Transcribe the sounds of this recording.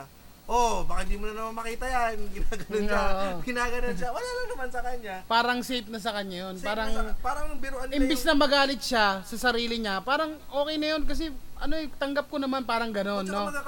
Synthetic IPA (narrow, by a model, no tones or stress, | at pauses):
ʔobɐkɐd̪imʊnɐnɐmanmɐkiːt̪ɐjanɡɪnaːɡɐnoaʔɡɪnaːɡɐnonʃawɐlaːnɐŋnɐmansɐkɐɲːapaːɾɐŋsejp̪̚nɐs̬ɐkɐɲːajo̞npaːɾɐŋpaːɾɐŋbɪɾʊʔɐnɪmbɪsnɐŋmɐɡaːlɪt̪̚ʃasɐsɐɾiːlɪɲapaːɾɐŋʔo̞ːkɛjnɐjo̞nkɐs̬ɛʔɐno̞ɛt̪ɐŋɡɐp̚konɐmanpaːɾɐŋɡɐno̞nːo